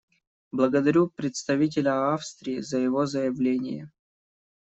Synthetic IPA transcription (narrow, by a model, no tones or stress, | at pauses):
blˠəɡəd̪ɐɾʲupɾʲɪt̪st̪ɐvʲit̬ʲɪlʲəafst̪ɾʲɪːzəjɪvozəjɪvlʲenʲɪ̰jə